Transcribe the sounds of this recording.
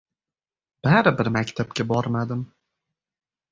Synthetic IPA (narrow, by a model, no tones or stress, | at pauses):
b̥æɾɪbɪɾmækʲt̪ʰæp̚kʲabɒɾmad̪ɪm